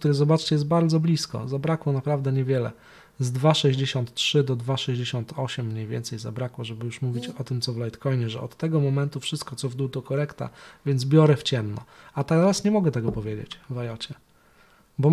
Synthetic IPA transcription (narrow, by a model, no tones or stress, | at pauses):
kt̪uɾɘzɔbat͡ʂt͡ɕɛjɛs̬t̪̚baɾd̪zɔblʲiskɔ̰zabɾakwɔnapɾavd̪ɛɲɛvʲjɛlɛ̰ | zd̪vaʂɛʑd͡ʑeɕɔnt̪tʂɘd̪ɔd̪vaʂɛʑd͡ʑeɕɔnt̪ʰɔɕɛmːɲejvʲɛ̰nt̪sɛjza̰bɾakwɔʐɛbɘjuʂmuvʲit͡ɕɔt̪ɘmt̪sɔvlajt̪kɔjɲɛʐɛ̰ʔɔt̪ːɛɡɔmɔmɛnt̪ufʂɘst̪̚kɔt̪sɔvd̪ut̪ɔkɔɾɛkt̪a̰vʲjɛnz̬bʲjɔɾɛft͡ɕɛmnɔ̰at̪ɛɾasɲɛmɔɡɛt̪ɛɡɔpɔvʲjed͡ʑḛt͡ɕvajɔt͡ɕɛ | bɔ